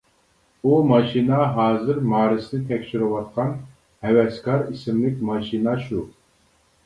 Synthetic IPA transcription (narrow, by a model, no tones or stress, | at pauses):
umɑʃinɑɦɑːzɨɾmɑːɾɨsnɪt̪ʰɛkʲt͡ʃyɾɨwɑt̪̚qʰɑn | hɛwɛskɑɾisɪmlɪkʲmɑʃinɑʃu